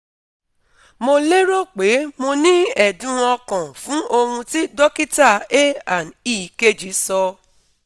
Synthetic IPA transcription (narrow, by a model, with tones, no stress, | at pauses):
mo˧le˦ɾo˦˨k͡pe˨˦mo˧nĩ˦ɛ˨dũ˨˦ɔ˧kã˨fũ˨˦ʔo˧hũ˧ti˦dɔ˦ki˦ta˦˨e˦a˨ni˦˨ke˦d͡ʒi˨˦sɔ˧